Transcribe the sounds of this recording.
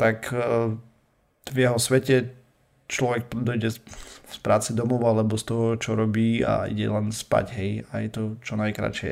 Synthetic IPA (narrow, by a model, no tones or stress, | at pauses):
t̪ak | vjɛɦɔsʋɛcɛ | t͡ʃlɔʋɛk̚d̪ɔjɟɛspɾaːt͡sɛd̪ɔmɔʊalɛbɔst̪ɔɦɔt͡ʃɔɾɔbiːa̰ḭɟɛ̰lɛnspa̰ɟɦɛjajɛt̪ɔt͡ʃɔnajkɾa̰t͡ʃɪɛ̰